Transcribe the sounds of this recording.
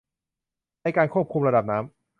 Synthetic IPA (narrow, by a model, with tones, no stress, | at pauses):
na˧jkaː˧nkʰu˥˩p̚kʰu˧mɾa˧da˨˩p̚naː˦˥m